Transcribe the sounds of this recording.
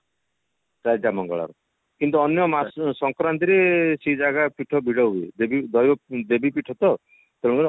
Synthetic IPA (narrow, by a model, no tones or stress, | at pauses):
ɾajd͡ʒamɔŋɡɔ̰ɭa̰ɾɔ | kint̪̬uɔnjɔmasɔŋkɾant̪iɾesed͡ʒaɡapiʈʰɔbʱiɽɔɦuḛd̪ebid̪ɔjɔd̪ebipiʈʰɔt̪ɔ | t̪eɽ̃kɔɾ